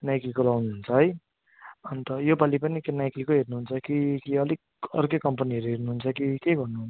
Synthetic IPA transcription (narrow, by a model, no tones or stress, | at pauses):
najklikolawnuɦunt͡sʰʌɦʌj | ʌnt̪ʌjobalipʌnikenajklikoɦernuɦunt͡sʰʌkikiʌlik | ʌ̰rkokʌmpʌniʌɾuɦernuɦunt͡sʰʌkikeɡʌrnuɦun